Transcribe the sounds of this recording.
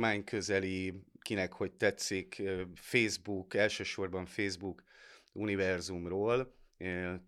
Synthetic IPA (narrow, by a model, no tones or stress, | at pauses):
maːɲkʰø̞zɛlikinɛkho̞ɟt̪ɛt̪siːkːfeːzbukɛlʃøːʃo̞rbɒɱfeːzbukunivɛrzumroːl